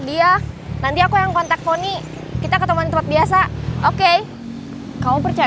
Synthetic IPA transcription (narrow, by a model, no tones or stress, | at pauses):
dianant̪iakujaŋkɔnt̪ak̚foni | kit̪akət̪əmuanint̪əpat̪̚bias̬aoke | kamopərt͡ʃa